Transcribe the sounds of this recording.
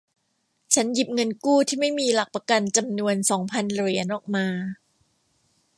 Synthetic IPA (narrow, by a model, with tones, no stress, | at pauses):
t͡ɕʰa˦˥nji˨˩p̚ŋɤ˧nkuː˥˩t̪ʰiː˥˩ma˥˩jmiː˧la˨˩k̚pa˧ka˧nt͡ɕa˧mnu˧ənsɔː˩˦ŋpʰa˧nɾi˩˦ənʔɔː˨˩k̚maː˧